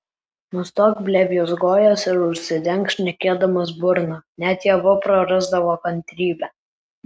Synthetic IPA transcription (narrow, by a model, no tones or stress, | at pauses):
nʊst̪oːkbʲlʲɛbʲjosɡoːjoːsɪɾʊʃʲsʲɪd̪ʲɛŋˑkʃʲnʲɛkʲeːd̪ɐmɐsbʊɾnɑnʲæt̪jɛʋʊpɾɐɾɐzd̪ɐʋoːkɐnʲt̪ʲɾʲiːbʲɛː